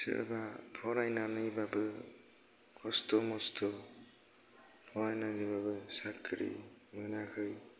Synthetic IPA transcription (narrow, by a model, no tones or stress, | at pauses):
sɯ̰ɯ̰bapʰɔɾajnanɯjbabɯ | kʰɔstɔmɔstʰɔ | pʰɔɾajnanɯbabɯsakʰɾḭmɯnakʰɯj